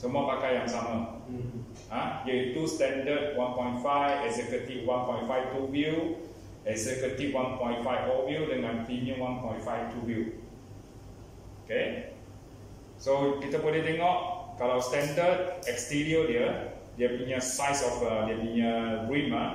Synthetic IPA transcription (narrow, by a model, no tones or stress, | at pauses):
somɔpakajãŋsamə | hajəitustɛ̃ndəd̚wãnpɔ̃j̃ntfajvɛksɛkətiwãnpɔ̃j̃ntfaɪftuwiu | ɛksɛkət̪iwãnpɔ̃j̃ntfajfɔwiuwdɛ̃nãtiniə̃nwãnpɔ̃j̃ntfajftuwiu | oke | sopit̪əpodidɛŋɔʔ̚kalastɛ̃ndəd̚ɛkstiɹiədɛə | dɛpinəsajsɔfədəpĩnəbɹĩma